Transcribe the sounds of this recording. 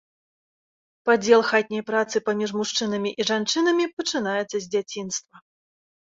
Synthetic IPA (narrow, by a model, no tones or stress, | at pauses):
pad͡zʲɛlˠxat̪ʲnʲɐjpɾat̪sɨpamʲiʐmuʂt͡ʂɨn̪ɐmʲiʔiʐant͡ʂɨnɐmʲipɐt͡ʂɨnajɛt̪sːɐzʲd͡zʲat͡sʲinst̪vɐ